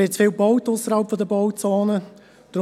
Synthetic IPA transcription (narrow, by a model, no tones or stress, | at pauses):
ɪt͡sfiːlbɔwtʊsəɾhɑlˠpfɔd̪əbɔwt͡sɑːnə | d̥ɾ